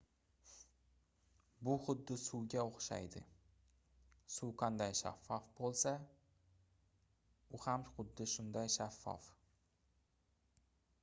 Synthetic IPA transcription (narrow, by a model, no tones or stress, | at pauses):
bʊχʊd̪ːɪsuwɡʲaoχʃa̰jd̪ɪ̰ | suwqʰand̪ajʃa̰fːɒfbolˠsa | ʊhamχʊd̪ːɪʃʊnd̪ajʃafːɒ̰f